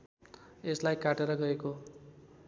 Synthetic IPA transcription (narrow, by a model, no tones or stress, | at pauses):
eslajkaʈeɾʌɡʌeko